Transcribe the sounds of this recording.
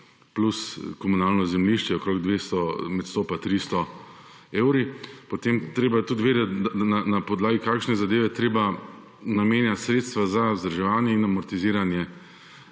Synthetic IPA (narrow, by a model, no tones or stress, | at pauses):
pluskɔmunaːlnɔzɛmliʃt͡ʃɛɔkɾoːɡd̪ʋeːst̪ɔmɛt̪st̪oːpat̪ɾist̪ɔ | eːwɾipot̪emt̪ɾeːbajɛt̪ut̪ʋeːd̪ɛt̪d̪nanapɔd̪laːɡikaːkʃnɛzad̪eːʋɛt̪ɾeːba | nameːnjat̪sɾeːt̪st̪ʋazazd̪ɾaʒɛʋaːnjɛinamɔɾt̪iziːɾanjɛ